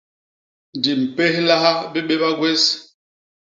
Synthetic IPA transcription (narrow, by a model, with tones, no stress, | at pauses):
n˨di˨m̩˨pe˦hla˦ha˦bi˦ɓe˦ɓa˦ɡwe˦s